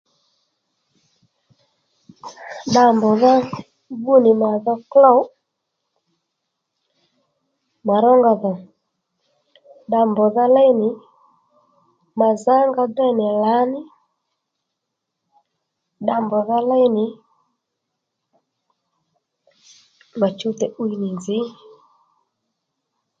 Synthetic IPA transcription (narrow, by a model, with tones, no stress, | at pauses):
ɗa˧˨mbɔ˨ða˦ | bu˦nɪ˨ma˨ðɔ˧klɔ˦˨˦ | ma˨ɾɔ˦ŋɡa˨ðɔ˨ | ɗa˧mbɔ˨ða˦lɛ˦jnɪ˨ | ma˨za˦ŋɡa˧dɛ˦˨nɪ˨la˨˦nɪ˦ | ɗa˧˨mbɔ˨ða˦lɛ˦jnɪ˨ | ma˨t͡ʃu˦tɛ˨ʔu˦i˦nɪ˨nzɪ˨˦